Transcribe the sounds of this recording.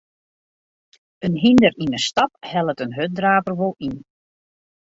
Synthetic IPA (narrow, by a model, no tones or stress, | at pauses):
ənɦindərinənstɑp̚hɛlˠətənɦøt̚draːvərʋolˠin